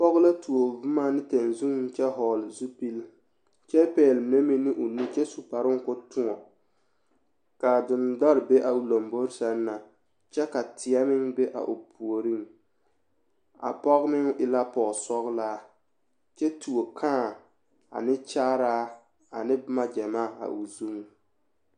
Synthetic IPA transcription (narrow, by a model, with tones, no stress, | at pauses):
pɔ˦ɣla˦tu˨o˨vʊ˦ma˦nɪ˦te˨n˨zu˦ŋ˦n˦t͡ʃɛ˦ɦɔː˨lzu˦pi˦l | t͡ʃɛ˦pɛː˨lne˦mi˦nɪ˦ʔʊ˨ni˦t͡ʃɛ˦su˨pa˨ɾɪ˦ŋ˦kʊ˦tʊ˦ŋɔ˨ | ka˨dɪ˨ndɔ˦ɾbe˦ʔa˨u˨lo˨mbo˦ɾsa˦nː˦a˨ | t͡ʃɛ˦ka˨tʰɪ˨a˦mɪ˦ŋbe˦ʔa̰˨ʔʊ˨pʰu˨o˨ɾi˦ŋ | a̰˨pɔ˦ɣmɪ˦ŋ˦ʔɪ˨la˦pɔ˨ɣsɔ˦ɣlaː˦ | t͡ʃɛ˦tu˨o˨kʰãː˦˨ | a̰˨nɪ˦t͡ʃaː˦ɾaː˦ | a˨nɪ˦bma˦d͡ʒɛ˨maː˦˨a̰˨ʔu˨zu˦ŋ˨